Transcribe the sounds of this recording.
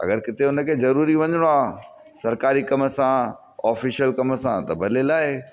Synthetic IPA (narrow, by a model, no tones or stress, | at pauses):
ɐ̰ɡəɾkɪt̪ʰeʊnəkʰeːzɐɾuːɾiʋɐ̃ɲəɽ̃oaː | sɐɾkaːɾikɐməsã | ɔːfiʃəlkɐməsã̰t̪ɐbʱɐlelaːɪ